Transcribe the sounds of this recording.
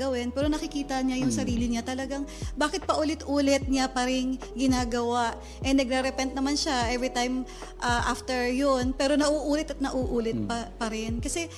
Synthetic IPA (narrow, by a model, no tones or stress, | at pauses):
ɐwɪnpɛːɾo̞nɐkɪkiːt̪ɐɲajʊŋsɐɾiːlɪɲat̪ɐlɐɡaŋbaːkɪt̪̚pɐʔʊlɪt̪ʔuːlɛt̪̚ɲapɐɾɪŋ | ɡɪnaːɡɐwaʔ | ʔɛnɐɡ̚ɾɛɾɛpɛnt̪̚nɐmanʃaʔɛvɾɪt̪ajm | ʔaʔaft̪ɛɹjonpɛːɾo̞nɐʔuːʔuːlɛt̪ɐt̪̚nɐʔuːʔuːlɛt̪̚pɐpɐɾɛnkɐsɛ